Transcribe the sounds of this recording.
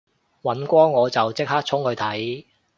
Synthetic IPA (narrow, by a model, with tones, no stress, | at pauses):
wɐ˨˥nkʷɔː˥ŋɔː˨˧t͡sɐ˨˩wt͡sɪ˥k̚haː˥k̚t͡sʰʊ˥ŋhɵ˨˧ɥt̪ʰɐ˨˥j